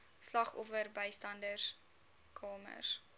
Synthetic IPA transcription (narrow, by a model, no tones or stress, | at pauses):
slɐχɔfərbəjstɐndərs | kʰɑːmə̰rs